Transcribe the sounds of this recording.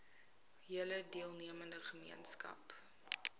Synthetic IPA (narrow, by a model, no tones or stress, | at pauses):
ɦiələdiəlˠniəməndəχəmḭənskɐ̰p